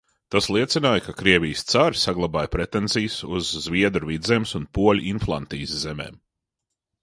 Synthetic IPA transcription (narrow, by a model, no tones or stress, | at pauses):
t̪aslˠiɛt̪sʲinaːjkakɾiɛvʲijst̪saɾsaɡlˠabaːjpɾɛt̪enzijsuzːvʲiɛd̪ɾuvid̪zemsunpuɔlʲʔinflˠa̰nt̪ḭːszɛmḛːm